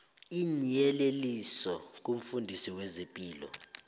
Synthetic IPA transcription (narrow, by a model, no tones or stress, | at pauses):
iɲiɛlelisɔk̬ʼum̩fundʱisiwezimpʼiːlɔ̰